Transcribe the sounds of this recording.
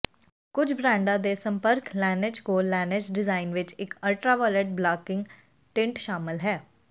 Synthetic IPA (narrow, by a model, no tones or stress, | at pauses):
kʊt͡ʃʰbɾɛ̃ːɳɖãd̪esə̃mpəɾklɛːnɪd͡ʒkoːlɛːned͡ʒɖɪzaːɪnʋɪt͡ʃɪkəlʈɾaːʋɔːleʈ̚blaːkɪ̃ŋɡ | ʈɪ̃ɳʈʃaːmɪlɦɛː